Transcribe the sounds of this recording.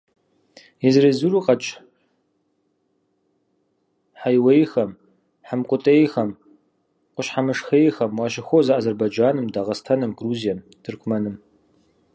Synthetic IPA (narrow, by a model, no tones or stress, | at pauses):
izrezuɾuqʼɐt͡ʃʼ | ħajwejxɐm | ħamqʷʼʊtʼejxɐm | qʷʊɕħamɨʂxejxɐmwaʃɪxʷozaʔaːzɐrbajd͡ʒaːnɨmdaʁɐstʰɐnɨmɡruzijɐm | dʰɨrkʷʰmɐnɨm